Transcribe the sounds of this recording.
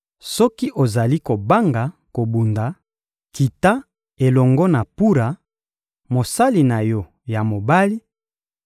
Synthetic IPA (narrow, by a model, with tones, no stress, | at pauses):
sɔ˦ki˦ʔo˨za˨li˦ko˨ba˦ŋɡa˨ko˨bu˨nda˨ | ki˨ta˦ | e˨lɔ˨ŋɡɔ˦na˨pu˦ɾa˨ | mo˨sa˦li˨na˨jɔ˦ | ja˨mo˨ba˦li˦